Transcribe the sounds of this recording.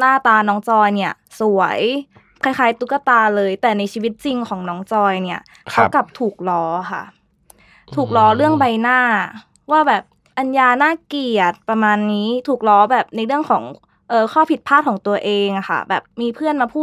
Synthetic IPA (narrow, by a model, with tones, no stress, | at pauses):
naː˥˩t̪aː˧nɔː˦˥ŋt͡ɕɔː˧jni˥˩ɐ | su˨˩˦əj | kʰa˧˥jxaː˨˦jt̪u˧˦˥kːa˧˩t̪aː˧lɤː˧jt̪ɛː˨˩na˧jt͡ɕʰiː˧wi˦˥t̪̚t͡ɕi˧ŋkʰɔː˩˦ŋnɔː˦˥ŋt͡ɕɔː˧jni˥˩ɐ | kʰa˦˥˧ka˨˩p̚t̪ʰuː˨˩k̚lɔː˨˦˥xʰa̰˥˩ | t̪ʰuː˨˩k̚lɔː˧˥ɾɯ˥˩əŋba˧jnaː˥˩ | waː˥˩bɛː˨˩p̚ | ʔa˧njaː˧naː˥˩ki˨˩ət̪̚pɾa˧maː˧nːiː˦˥t̪ʰuː˨˩k̚lɔː˦˥bɛː˨˩p̚na˧jlɯ˥˩əŋkʰɔː˩˦ŋ | ʔɤː˨˧kʰɔː˥˩pʰi˨˩t̪̚pʰaː˥˩t̪̚ʰɔː˩˦ŋt̪u˧ɐʔeː˧ŋʔa˨˩xa̰˥˩bɛː˨˩p̚miː˧pʰɯ˥˩ənmaː˧pʰuː˥˩t̪̚